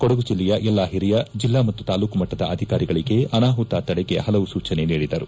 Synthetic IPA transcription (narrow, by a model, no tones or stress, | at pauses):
kɔɽɐɡud͡ʒilːɛjɐʔɛlːaːɦiɾijɐd͡ʒilːaːmɐt̪ːut̪aːluːkumɐʈːɐd̪ɐ̰ʔɐd̪ʱikaːɾiɡɐɭiɡe̞ʔɐnaːɦut̪aːt̪ɐɽɛɡe̞hɐlɐʋusuːt͡ʃɐne̞niːɽid̪ɐɾu